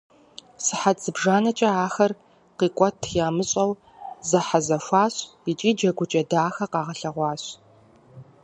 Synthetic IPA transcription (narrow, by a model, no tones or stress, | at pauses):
sɨħat͡sɨbʒaːnɐt͡ʃʼɐaːxɐr | qiːkʷʼɔtʰjaːmɨɕʼɐw | zɐħazɐʃʷaːɕ | it͡ʃʼiːd͡ʒɐɡʷʊt͡ʃʼɐdaːxɐqɑːʁɐɬɐʁʷɑːɕ